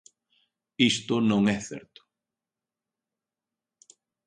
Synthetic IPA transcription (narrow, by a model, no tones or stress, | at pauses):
ist̪ʊnõŋɛθɛɾt̪ʊ̥